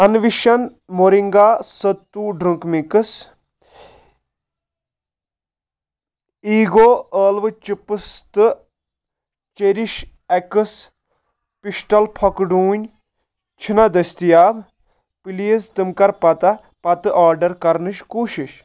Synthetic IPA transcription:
ɐnʋiʃɐn | moɾiŋɡaːsɐt̪ːuːɖɾuŋkmikɨs | iːɡoːəːlʋɨt͡ʃipɨst̪ɨ | t͡ʃeɾiʃ | ɛkɨs | piʃʈɐlpʰɐkɖuːnʲ | t͡ʃʰinɐd̪ɐst̪ijaːb | pilijɐst̪ɨmkɐɾpɐt̪ɐ | pɐt̪ɨʔaːɾɖɐɾkɐɾnɨʃkuːʃiʃ

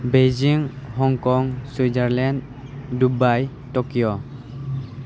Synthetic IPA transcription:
bed͡ʒiŋhɔŋkɔŋsizaɾlɛnd | dubaj | tɔkijɔ

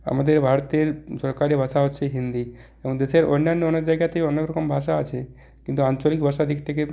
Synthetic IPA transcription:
a̰mad̪eɾbʱaɾt̪eɾsɔɾkaɾibʱəsaɦotːʃʰeɦind̪i | ebɔ̃ŋd̪eseɾonːanːeoned͡ʒajɡjat̪eɔnekɾɔkombʱaʃaət͡ʃʰe | kint̪uãnt͡ʃolikbʱəʃad̪ikʰt̪eke

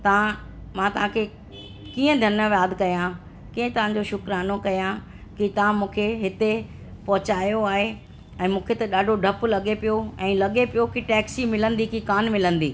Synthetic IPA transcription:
t̪ɐʋã | mãːt̪ɐʋɦãkʰe | kiːə̃d̪ʱɐnəʋjaːd̪kɐjã | kiːə̃t̪ɐʋ̤ãɲ̆d͡ʑoʃʊkɾaːnokɐjã | kit̪ɐʋãmũːkʰeɦɪt̪e | pɐɦʊt͡ɕaːijoaːɦe | ɛ̃ːmũːkʰet̪ɐɗaːɖʱoɖʱɐplɐɠepijoɛ̃ːlɐɠepijokiʈɛːksimɪlə̃nd̪ikikaːnmɪlə̃nd̪iː

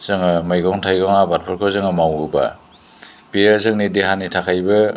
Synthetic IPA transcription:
z̥ɯŋɯmɯjɡɔŋtʰajɡɔŋabat̚pʰɔɾkʰɔzɯŋɯmawuba̰ | beɾazɯŋnideɦanitʰakʰajbɯ

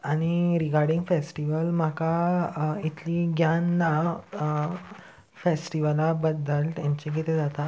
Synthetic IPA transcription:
aɽ̃iɾiɡaɾɖĩŋɡfesʈiʋəlm̤aka | it̪ʰliːɡjanːa | fesʈiʋəlabəd̪əlt̪jãɲt͡ɕek̬it̪ed͡zat̪a

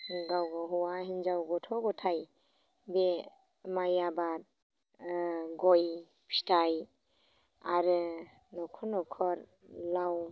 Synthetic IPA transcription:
ɡawɡɔɦɔwaɦind͡ʒawɡɔtʰɔɡɔtʰaj | be | majabat̚ | ɡɔj | pʰi̥tʰaj | aɾɯ | nɔkʰɔnɔkʰɔɾ | law

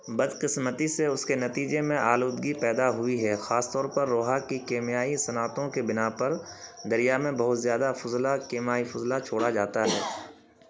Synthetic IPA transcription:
bɐd̪qɪsmət̪iseʊskenɐt̪iːd͡ʒemẽʔaːluːd̪ɡipɛːd̪aɦʊiɦɛːxaːst̪ɔːɾpɐɾːoːɦakikeːmijaːisɐnaːt̪õkebɪnapɐɾ | d̪ɐɾijamẽbɐɦʊt̪zjaːd̪afʊzlakeːmaːifʊzlat͡ʃʰoːɽad͡ʒaːt̪aɦɛː

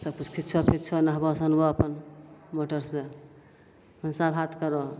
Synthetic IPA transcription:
səb̚kut͡ʃʰkʰit̪t͡ʃʰɔpʰit̪̚t͡ʃʰɔnəɦbɔsənboəpənmoʈəɾse | mənsabʱat̪kəɾo

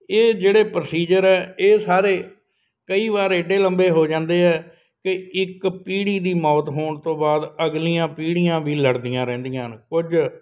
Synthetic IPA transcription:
eːd͡ʒeːɽeːpɾəsiːd͡ʒəɾɛːeːsaːɾeː | kəiːʋaːɾɪɖeːləmbeːɦoːd͡ʒãːnd̪eːɛː | kɪɪkpiːɽiːd̪iːmɔːt̪ɦoːɳt̪õːbaːd̪əɡliːãːpiːɽijãːʋiːləɽd̪ijãːɾɛ̃ːnd̪ijãːnkʊd͡ʒ

